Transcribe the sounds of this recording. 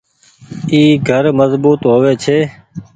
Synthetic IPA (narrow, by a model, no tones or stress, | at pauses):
iːɡʱəɾməzbuːt̪ɦoːʋeːt͡ʃʰeː